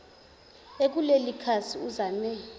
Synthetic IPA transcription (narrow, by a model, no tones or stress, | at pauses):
ek̬ulelikʰasʰiuzanɛ